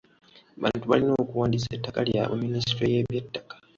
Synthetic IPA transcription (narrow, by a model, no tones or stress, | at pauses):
βa̰ːntuβa̰linoːkuwaːndisaetːakalja̰ʔuminisitojeβetːḁkḁ